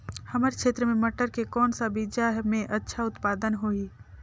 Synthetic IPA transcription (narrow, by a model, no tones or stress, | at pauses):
hɐmaːɾekʃeːt̪ɾəmẽmɐʈəɾkekɔːnsabid͡ʒaɦmẽʔɐtːʃʰaʊt̪paːd̪ənɦoiː